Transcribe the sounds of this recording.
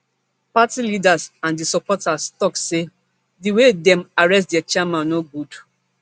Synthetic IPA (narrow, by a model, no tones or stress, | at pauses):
patilidasãndisɔpɔtastɔkse | diwedɛ̃maɹɛstdat͡ʃamãnnoɡud